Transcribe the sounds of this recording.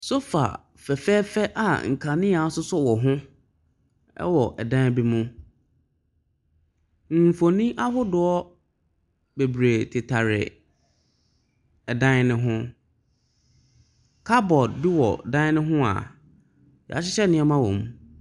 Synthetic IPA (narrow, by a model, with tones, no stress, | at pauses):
sʊ˦fa̰˨ | fɛ˨fɛː˦fɛ˦ʔa˨ŋ̩˨kʰã˨nɪ̃˦a˨˦sʊ˦sʊ˦wɔ˨ɦʊ̃˦ | ɛ̰˦wɔ˨ʔɛ˨dã˦bi˦mʊ̃˦ | m̩˨fo˨nĩ˦ʔa˦hʊ˦dʊ˨˦ɔ˦ | be˨bɾe˨tʰɪ˨tʰa˨ɾɪ̰˨ | ɛ˨dã˦nɪ̃˦ɦʊ̃˦ | kʰa˦bɔ˨dbi˦wɔ̰˨dã˦nɪ̃˦ɦʊ̃˦a̰˨ | jɛ̰˨a˨ɕɪ˦ɕɛ˦nɪ̃˦ɛ˦mã˦wɔ̰̃˨m